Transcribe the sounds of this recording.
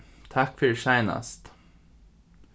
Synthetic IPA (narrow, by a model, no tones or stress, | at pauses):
t̪ʰɑkfʏɹʃæɪnɑ̰st̪